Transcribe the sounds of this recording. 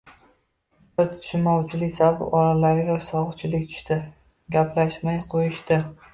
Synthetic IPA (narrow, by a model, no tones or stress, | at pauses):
bɪt̪t̪ʰʊ̥ʃmɒwt͡ʃʰɪlɪkʲzabɒɾalaɾɪɡʲasɒʁɨt͡ʃʰɪlɪkʲt̪ʰʊ̥ʃt̪ɪ | ɡʲapʰlaʃmajqʰojɪʃt̪ɪ